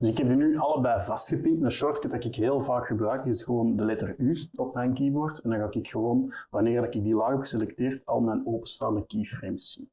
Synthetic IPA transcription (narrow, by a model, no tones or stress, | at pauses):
d̥ʏsɪkɦɛb̚dinyʔɑlˠəbɛjvɑstxəpɪktnaʃɔrtkədɑkɪkɦeːlˠvaːkxəbrœɥkɪsxəʋoːndəlɛtəryɔpmɛjnkibortɛndɑ̃nŋɣaːkɪkxəwoːnwɑneːrdɑkɪɡ̚dilɑɣɔpə̥selɛkteːrtɑ̰lˠmɛjnoːpəstɑːnəkifrems